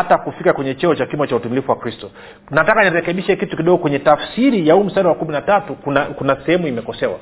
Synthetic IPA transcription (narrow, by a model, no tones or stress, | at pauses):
atakufikakwɛɲɛt͡ʃɛɔt͡ʃakimat͡ʃautumilifuwakɾistɔ | natakaniɾɛkɛɓiʃɛkitukiɗɔɡɔkwɛɲɛtafsiɾijahuːm̩staɾiwakuminatatukunakunasɛhɛmuimɛkɔsɛwa̰